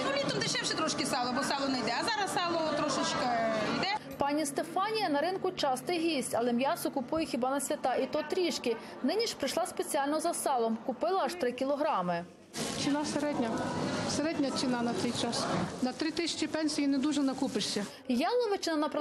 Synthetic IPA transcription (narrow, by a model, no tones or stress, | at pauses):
ʊlʲit̪ɔmd̪ɪʃɛwʃɛt̪ɾɔʃkʲɪsɑlˠɔbɔsɑlˠɔnɛjd̪ɛɐzɑɾɐssɑlˠɔɔt̪ɾɔʃɪt͡ʃkɐjd̪ɛpɑnʲist̪efɑnʲijɐnɐɾɪnkʊt͡ʃɑst̪ɪjɦʲisʲtʲɐlˠɛmjɑsʊkʊpujɛxʲibɑnɐsʲʋʲɐt̪ɑʔit̪ɔt̪ɾʲiʃkʲɪ | nɪnʲiʃpɾɪʃlˠɑspet͡sʲiɑlʲnɔzɐsɑlˠɔmkʊpɪlˠɐɐʃt̪ɾɪkʲilˠɔɦɾɑmɪ | t͡ʃɪnaseɾɛdʲnʲɐseɾɛdʲnʲɐt͡ʃɪnɑnɐt̪ɛjt͡ʃɑsnɐt̪ɾɪt̪ɪsʲt͡ʃʲipɛnʲsʲijinɛd̪uʒɛnɐkupɪʃsʲɐ | jɑlˠɔʋɪt͡ʃɪnɐnɐp